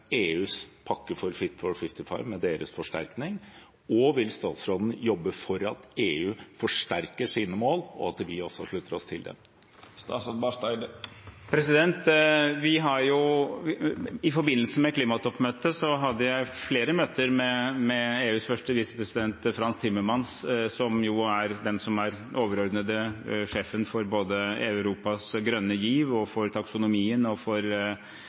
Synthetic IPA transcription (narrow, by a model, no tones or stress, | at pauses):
eːʉːspʰɑkːəfɔɾfɪt̪fɔɾfɪft̪ɪfɑɪʋmɛd̪eːɾə̰sfɔʂʈæ̰ɾknɪŋ | ɔʋɪlst̪ɑ̰ːt̪sɾɔd̪n̩jɔbːəfɔɾɑt̪eːʉːfɔʂʈæɾkəʂiːnəmoːlɔ̰ɑt̪ʋɪɔsːɔʂɭʉt̪ːəɾɔst̪ʰɪld̪ɛ̰ | st̪ɑsbɑt̪ɑɪd̪pʰɾɛsɪd̪ɛnt̪ʋɪɦɑɾjʊ | ɪfɔɾbɪnːlsəmɛkʰliːmɑt̪ʰɔpːmøːt̪əsɔɦɑd̪ːəjæɪfleːɾəmøːt̪əɾmɛmɛeːʉːsfœʂʈəʋiːsə̥pɾɛsɪd̪ɛnt̪fɾɑnst̪ʰɪmːəɾmɑnssɔmjʊæɾd̪ɛnsɔmæɾ | ʔoːʋəɾɔɾd̪nəd̪əʂeːfənfɔɾboːd̪əæ̰ʉɾuːpɑsɡɾœnːəjiːʋɔfɔɾt̪ʰɑksʊnʊmiːənɔfɔɾ